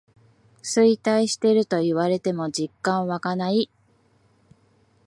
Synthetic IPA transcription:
sɨit̪aiɕi̥t̪e̞ɾɯ̟t̪o̞iβaɾe̞t̪e̞mo̞d͡ʑikːãɰ̃βakanai

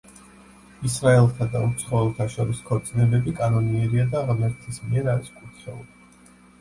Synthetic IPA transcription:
isɾaɛlˠt̪ʰad̪aut̪sʰχɔvɛlˠt̪ʰaʃɔɾiskʰɔɾt̪sʼnɛbɛbikʼanɔniɛɾiad̪aːʁmɛɾt̪ʰismiɛɾaɾiskʼuɾt̪ʰχɛuli

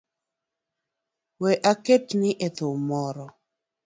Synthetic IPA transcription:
wɛʔaketnɪʔet̪ʊmɔɾɔ

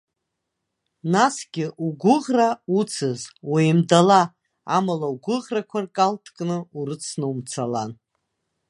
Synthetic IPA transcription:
nasɡʲɪʔuɡʷʊʁraut͡sʰɨzwejmdala | a̰malauɡʷʊʁrakʷʰarkʼaltʰkʼnɨuɾɨt͡sʰnɨumt͡sʰalan

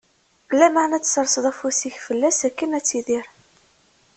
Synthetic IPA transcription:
ɡəlːæmaʕnæt͡sːsɾˤsəðˤæfusiçfəlːæsækːənæt͡sːiðiɾ

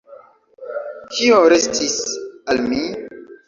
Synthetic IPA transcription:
kʰioɾestʰisalmi

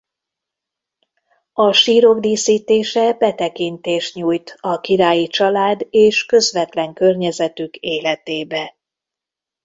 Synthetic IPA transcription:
ɒʃiːɾo̞ɡd̪iːsiːt̪eːʃɛbɛt̪ɛkint̪eːʃɲuːjt̪ɒkiɾaːjit͡ʃɒlaːd̪eːʃkø̞zʋɛt̪lɛŋkø̞rɲɛzɛt̪ykeːlɛt̪eːbɛ

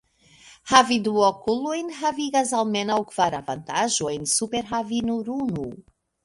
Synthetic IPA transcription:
haviduokulojnɦaviɡas̬alme̞nawkv̥aɾavantaʒo̞jnsupe̞ɾɦavinuɾunu

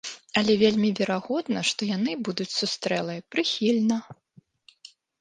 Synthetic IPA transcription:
ɐlʲɛvʲelʲmʲivʲɛɾaɣɔd̪nɐʂt̪ɔjanɨbud̪ut͡sʲsust̪ɾɛlˠɐjpɾɨxʲilʲnɐ

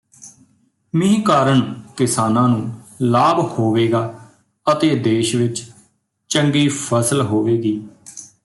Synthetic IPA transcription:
mĩːkaːɾəɳkɪsaːnãːnũːlaːbhoːʋeːɡaː | ət̪eːd̪eːʃʋɪt͡ʃ | t͡ʃəŋɡiːpʰəsəlɦoːʋeːɡiː

